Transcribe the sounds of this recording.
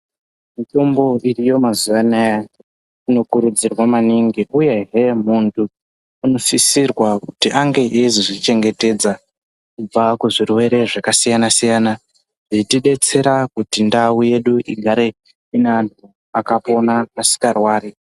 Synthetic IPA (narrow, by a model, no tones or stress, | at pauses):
mito̞mbo̞irijo̞mazuʋanaja | ino̞kuɾud͡zirwamaniŋɡiʔuje̞ɦe̞muntʰu | uno̞sisirwakutiʔaŋɡe̞ʔeziʐit͡ʃe̞ŋɡe̞te̞d͡za | kub͡vakuʐirwe̞ɾe̞ʐakasijanasijaːna | ʐitiɗe̞t͡se̞ɾakutindauje̞ɗuʔiɡʱaɾe̞ | inantu | akapo̞naasi̥karwaːɾi